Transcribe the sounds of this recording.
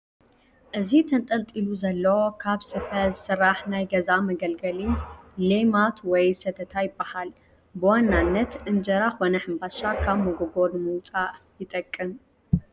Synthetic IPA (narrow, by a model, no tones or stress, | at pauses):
ʔɨzit̪ʰɐnt̪ʼɐlt̪ʼiluzɐlːɐwokʰaβsɨfɐzɨsɨrːaħnajɡɐzamɐɡɐlɡɐlilemat̪ʰwɔjsɐt̪ʰɐt̪ʰajɪbːahal | bɨwanːanːɐt̪ʔɨnd͡ʒɐɾaxo̞nɐħɨmbaʃakʰaβmɐɡoɡo̞ɾɨmɨwt͡sʼaʔjɪt̪ʼɐkʼːɨm